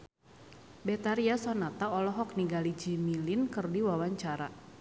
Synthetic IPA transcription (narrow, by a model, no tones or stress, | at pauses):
bɛt̪aɾiasɔnat̪aɔlɔɦɔk̚niɡalid͡ʒimilinkɨrdiwawaɲt͡ʃaɾa